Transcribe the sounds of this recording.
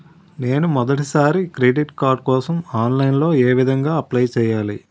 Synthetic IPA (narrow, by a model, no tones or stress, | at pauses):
ne̞ːnumɔd̪ɐʈisaːɾikɾeːɖiʈkaːɾɖ̚kɔːsɐmaːnlɐjnlo̞ːeːʋid̪ʱɐŋɡaːɐplɐjt͡ʃɛːjaːli